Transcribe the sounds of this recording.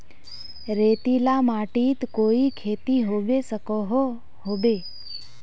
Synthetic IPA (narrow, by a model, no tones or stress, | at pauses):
ɾeːt̪ilamaːʈiːt̪koːikʰeːt̪iɦoːʋesəkoɦo | ɦobeː